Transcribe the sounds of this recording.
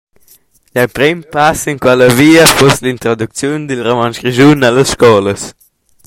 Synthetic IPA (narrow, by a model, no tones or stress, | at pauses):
ʎapɾɛmpasinkwaləviːəfɔslint̪ɾod̪uk̚t͡sjund̪ilromanʃɾiʒunaləsʃkɔləs